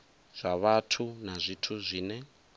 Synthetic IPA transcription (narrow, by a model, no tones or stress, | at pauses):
z̥ʷaβatʰunazʷitʰuzʷiːnɛ